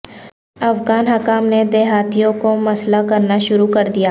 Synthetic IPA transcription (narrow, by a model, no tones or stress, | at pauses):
ɐfɡaːnɦɐkaːmned̪eːɦaːt̪ijõkomɐslakɐɾnaʃʊɾukɐɾd̪ijaː